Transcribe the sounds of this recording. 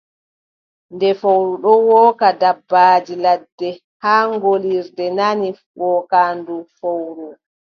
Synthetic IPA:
ndɛfowɾuɗɔwɔːkadabːaːd͡ʒiladːɛ | haːŋɡoliɾdɛnani | wɔːkandufowɾu

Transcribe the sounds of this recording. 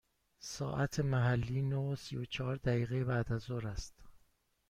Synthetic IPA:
sɒ̰ːʔæt̪ʰemæɦælːiːnosijot͡ʃʰɒːɾd̪æiːɣejebæd̪æzoɾæst̪

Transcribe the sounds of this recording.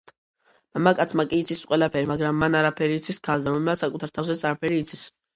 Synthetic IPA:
mamakʼat̪sʰmakʼiːt̪sʰisqʼwɛlapʰɛɾimaɡɾamːanaɾapʰɛɾiːt̪sʰiskʰalˠd̪amɔmɛasakʼut̪ʰaɾt̪ʰawzɛt̪sʰʼaɾapʰɛɾiːt̪sʰis

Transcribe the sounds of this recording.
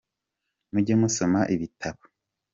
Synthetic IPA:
muɟemuso̞maʔiβitʰaβo̥

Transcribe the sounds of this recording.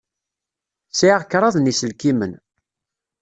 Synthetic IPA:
siʁkːɾˤɑðˤnisəlkimən

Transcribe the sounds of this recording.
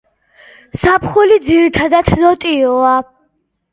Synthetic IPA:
sapʰχulid̪ziɾit̪ʰad̪at̪ʰd̪ɔt̪ʼiɔa

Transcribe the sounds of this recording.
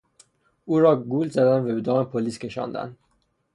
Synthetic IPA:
uːɾɒːɡuːlzæd̪ænvæbed̪ɒːmepʰoliːskʲʰe̞ʃɒ̰ːnd̪æ̰n

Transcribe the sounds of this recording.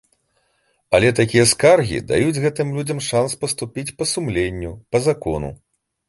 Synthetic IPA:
ɐlʲɛt̪akʲijɐskarɣʲḭd̪a̰jud͡zʲɣɛt̪ɨmlʲud͡zʲɐmʂanspɐst̪upʲit͡sʲpɐsumlʲenʲːupɐzakɔ̰nṵ

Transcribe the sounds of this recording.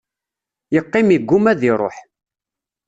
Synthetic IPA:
jəqːɪmiɡːumæðiɾˤo̰ħ

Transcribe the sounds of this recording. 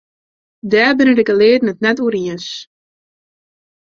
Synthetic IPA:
dæːrbɪnədɪkəleːdnətnɛtuəɾiəns

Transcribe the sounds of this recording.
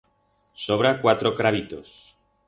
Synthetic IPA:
soβ̞ɾakwat̪ɾokɾaβit̪os

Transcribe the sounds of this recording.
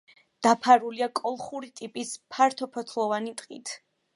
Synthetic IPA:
d̪̥apʰaɾuliakʼɔlˠχuɾit̪ʼipʼispʰaɾt̪ʰɔpʰɔt̪ʰlˠɔvanit̪ʼqʼḭt̪ʰ

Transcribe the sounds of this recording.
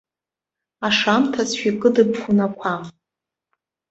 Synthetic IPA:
aʂamtʰasʰʃʷᶣikʼɨdɨpʰχʷunakʷʰa

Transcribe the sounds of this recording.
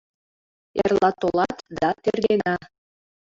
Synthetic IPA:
erlɑt̪olɑt̪d̪ɑt̪erɣenɑ

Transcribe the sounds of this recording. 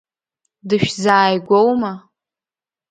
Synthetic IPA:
dɨʃᶣzaːjɡʷowma

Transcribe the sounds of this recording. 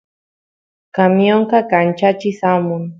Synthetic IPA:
kamjoŋkakant͡ʃat͡ʃɪsamʊŋ

